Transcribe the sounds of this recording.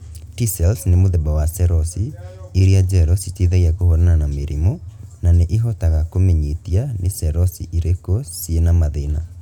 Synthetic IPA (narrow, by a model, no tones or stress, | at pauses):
tisɛlsnemoðɛbawasɛɾɔsieɾiad͡ʒɛɾɔsiteðaiakohɔɾananameɾʔḭmɔnaneʔeɦɔtaɣakomeɲitianesɛɾɔsḭʔiɾekosienamaðena̰